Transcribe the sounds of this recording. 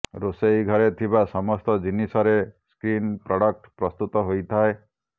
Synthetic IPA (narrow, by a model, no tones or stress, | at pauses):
ɾosejɡʱɔɾet̪ʰibasɔmɔst̪ɔd͡ʒinisɔɾeskɾinpɾɔɽɔk̚ʈpɾɔst̪ut̪ɔɦojt̪ʰae